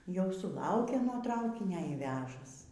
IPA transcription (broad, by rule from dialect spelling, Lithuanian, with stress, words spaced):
ˈjɛʊ sʊˈlˠɐʊkʲeː nuɔ ˈtrɐʊkʲɪnʲoː iː ˈʋʲæːʒɐs